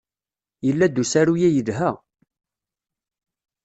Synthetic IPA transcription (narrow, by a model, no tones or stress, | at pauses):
jəlːæd̪usæɾujæjəðɦæ